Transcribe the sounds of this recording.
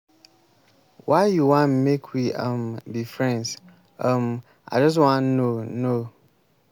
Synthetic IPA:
waɪjuwãnmekʰwiə̃mbifɹɛ̃ns | əm | a̰d͡ʒɔs̬wãnːono

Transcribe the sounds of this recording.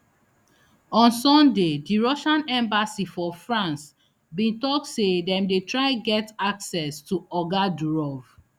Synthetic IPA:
ɔ̃nsɔ̃ndediɹɔʃãnɛ̃mbasifɔfɹãns | bĩntɔk̚tsedɛ̃mdetɹaɪɡɛtaksɛstuɔɡaduɹɔv̥

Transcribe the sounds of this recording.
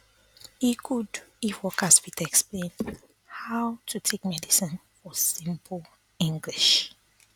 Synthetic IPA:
ikʰudifwɔkʰaswitɛksplẽnd | haʊtʰutʰekmɛdisĩnfɔsĩmpʰəl | ĩŋɡliʃ

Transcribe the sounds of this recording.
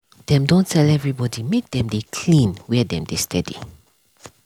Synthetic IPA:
d̥ɛ̃mdõntʰɛlɛvɹibɔdimek̚dɛ̃mdekʰlĩnwɛdɛ̰̃mdestʰɛdḭ

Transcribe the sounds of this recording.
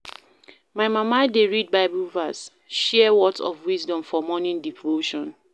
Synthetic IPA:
maɪmamadeɹid̚baɪbulvas | ʃɛɛwɔtɔ̰vwizdɔ̃mfɔmɔnĩndivoʃɔ̃n

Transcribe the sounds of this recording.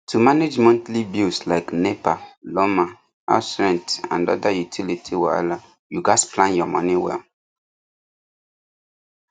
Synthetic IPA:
tʰumaned͡ʒmɔ̃ntlibjuslaɪknepalɔma | a̰sɹɛ̃ntã̰ndɔ̰dajutʰilitʰiwala | juɡasplãnjɔmɔniwɛ̰l

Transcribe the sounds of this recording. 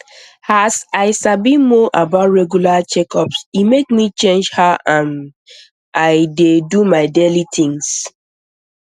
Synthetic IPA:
hasaɪsabĩmɔʔabatɹɛɡjulat͡ʃɛkɔpsimekmit͡ʃẽnd͡ʒhaãn | aɪdedumaɪdelitʰɪ̃ŋs

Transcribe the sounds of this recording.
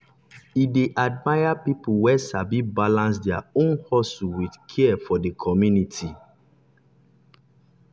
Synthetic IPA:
ideʔad̚majapipuwɛsabibalãns̬dɛaõnhɔsuwidkʰɛɛfɔdekʰɔmjunitʰi

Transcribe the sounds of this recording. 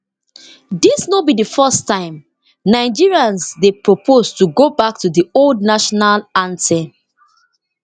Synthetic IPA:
disnobidəfɜstãɪ̃m | naɪd͡ʒiɹiãnsdepɹopʰoztuɡobak̚tudioldnaʃɔnalãntɛ

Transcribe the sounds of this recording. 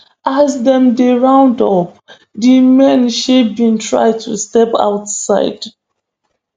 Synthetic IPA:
azdɛ̃mdeɹãʊ̃ndɔp | dimɛ̃nʃebĩntʰɹa̰ɪtʰːustɛpa̰ʊtsa̰ɪd̥

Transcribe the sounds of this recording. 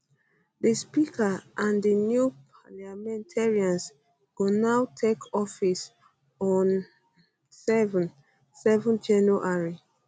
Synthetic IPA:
dəspikaʔãndənjupʰalamɛ̃ntʰɛɹiãns | ɡ̥onawtʰekʰɔfis | ɔ̃n | sɛṽn | sɛvɔ̃nd͡ʒɛnoʔaɹi

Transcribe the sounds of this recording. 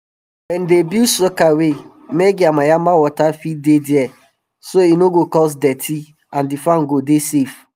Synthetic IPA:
wɛ̃ndebisɔkawe | meɡiamajamawɔtafidediɛ | soinoɡokɔs̬dɛtʰi | ãndifãnɡodesef

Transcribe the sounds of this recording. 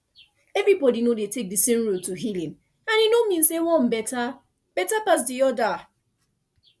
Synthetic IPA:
ɛvɾibɔdinodetek̚disẽmɹotuɦilĩn | ãninomĩnsewɔ̃m̩bɛta | b̥ɛtapas̬diɔda

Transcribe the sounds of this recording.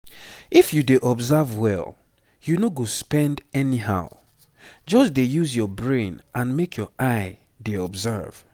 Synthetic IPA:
ifjudeʔɔbzɛvwɛ̰lˠ | junoɡospɛ̃ndɛniɦa̰ʊ | d͡ʒɔsdejuzjɔbɹẽnʔãnmekʰjɔʔaɪ | deɔbzɛ̰v̥

